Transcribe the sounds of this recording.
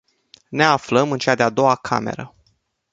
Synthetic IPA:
ne̞afləmɨnt͡ʃead̪ead̪o̞wakʰa̰me̞̰ɾə

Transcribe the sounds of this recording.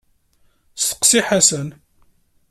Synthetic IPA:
sə̥qːsiħasən

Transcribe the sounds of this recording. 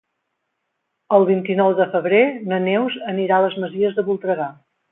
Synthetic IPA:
əlˠβint̪inɔwðəfəβɾenənewzəniɾaləzməziəzðəβulˠt̪ɾəɣa

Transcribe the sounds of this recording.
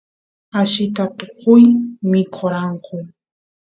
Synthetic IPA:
aʃɪt̪at̪oqʊjmɪkʰoɾɑɴqʊ

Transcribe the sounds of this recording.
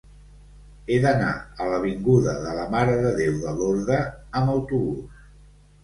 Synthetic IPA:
eðəna̰ələβiŋɡuðəðələmaɾəðəðewðəloɾðəəməwt̪uβus

